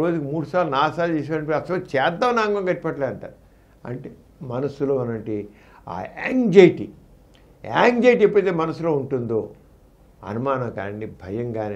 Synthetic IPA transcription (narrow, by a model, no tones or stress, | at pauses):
ɾoːd͡ʒukimuːɽusaːlunaːsaːld͡ʒiːs̬aɐɳpɐsɐʋɐt͡ʃɛːd̪ːaːmnaːŋɡɐŋɡɐʈːipɐʈleːɐɳʈa̰ːɾu | ɐ̰ɳʈe | mɐnɐsuloːɐnɐɳʈi | a̰ːḛːŋd͡ʒɐjʈḭ | a̰ːŋd͡ʒɐjʈ̬iipːɐt̪eːmɐnɐsulo̞ːuɳʈund̪oː | ɐ̰numaːnɐmka̰ːɳibʱɐjɐŋɡaːni